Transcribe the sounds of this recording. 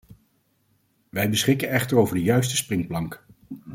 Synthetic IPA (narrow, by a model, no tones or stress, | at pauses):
ʋɛjbəsχɪkənɛχtəɹowvəɹdəjœɥstəsprɪŋplɑŋk